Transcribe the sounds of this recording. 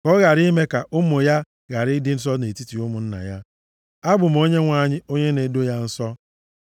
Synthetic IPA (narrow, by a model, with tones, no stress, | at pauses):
kɔ˦ɣa˨ɾi˦me˦ka˨ʔʊ˦mʊ˨ja˦ | ɣa˨ɾɪ˦dɪ˦n̩˦s̬ɔ˦ne˨ti˦ti˨ʊ˦mʊ˨n̩˦na̰˨ja˦ | a˦bʊ˨m̩˨o˦ɲe˦ŋʷa˦˨ɲɪ˦o˦ɲe˦ne˨˦do˦ja˦n̩˦sɔ˦